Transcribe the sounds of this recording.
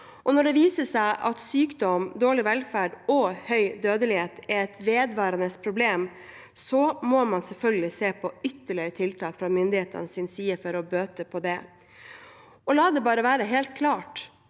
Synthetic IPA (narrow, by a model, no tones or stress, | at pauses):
ʔɔnɔɖɛʋiːsəsæɪʔɑt̪syːkd̪ɔmd̪oːɭɪʋɛlfæːɖɔhœʏd̪øːd̪əlɪheːt̪ɛɾɛt̪ʋeːd̪ʋɑːɾɑnəspʰɾʊbleːm | sɔmɔmɑnsɛlfœlɡəlɪseːpʰɔʏt̪ːəɭɪɾət̪ʰɪlt̪ʰɑːkfɾɑmʏnd̪ɪheːt̪ə̰nəsɪnsiːəfɔɾɔbøːt̪əpʰɔd̪ɛ | ɔlɑːd̪ɛbɑːɾəʋæːɾəɦeːlt̪̚kʰlɑːʈ